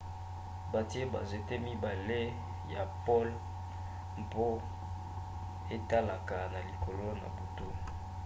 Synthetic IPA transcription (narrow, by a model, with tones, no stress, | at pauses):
ba˨ti˦e˦ba̰˨ze˨te˦mi˦ba˨le˦ | ja̰˨pɔ˦l | mpo˦ | e˦ta˦la˨ka˨na˨li˨ko˨lo˦na̰˨bo˨to˦˨